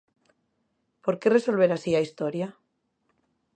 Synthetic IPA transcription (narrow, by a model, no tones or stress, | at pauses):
po̞ɾkere̞so̞lβ̞e̞ɾasiaist̪oɾja